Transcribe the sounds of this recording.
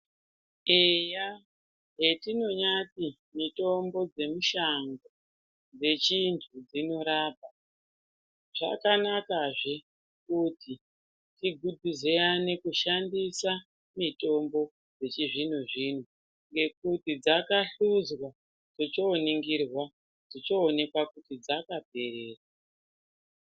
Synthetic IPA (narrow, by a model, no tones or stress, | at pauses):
eja | ɦetino̞ɲati | mito̞mbo̞d͡ze̞muʃaŋɡo | d͡ze̞t͡ʃintʰud͡zino̞ɾaːp̚a | ʐ̥a̰kanakaʐe̞ | kuti | tiɡʱudʱize̞ane̞kuʃandisa | mito̞mbo̞ | d͡ze̞t͡ʃiʐin̤uʐiːn̤u | ŋɡe̞k̚utid͡zakaɬud͡zwa | d͡zot͡ʃo̞ːniŋɡirwa | d͡zit͡ʃoːne̞kwakutid͡zakabʱe̞ɾeːra